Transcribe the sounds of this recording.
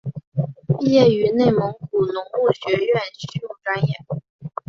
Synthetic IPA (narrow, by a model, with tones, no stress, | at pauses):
pi˥˧jɛ˥˩y˧˥ne˥˩ɪmɤ˧˥ŋku˨˩nʊ˧˥ŋu˥˩ɕɥɛ˧˥ɥɛ˥˩nɕy˥ju˥˩ŋʈ͡ʂa˥njɛ˨˩˦n